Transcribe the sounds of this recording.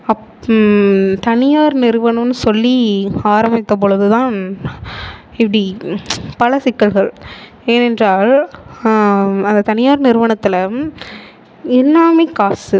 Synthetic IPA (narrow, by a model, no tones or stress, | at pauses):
ɐ | t̪ɐnɪjaːɾnɪɾɯʋɐɳɐmnːɯsɔlːiaːɾɐmɪt̪ːɐp̬ɔɻɯðɯt̪ãːn | ɪpːɐɽipɐlɐsɪkːɐlɣɐɭ | eːnɛndraːɭ | ɐnd̪ɐt̪ɐnɪjaːɾnɪɾɯʋɐɳɐt̪ːɪlɐ | ɪlːaːmɐɪkːaːsɯ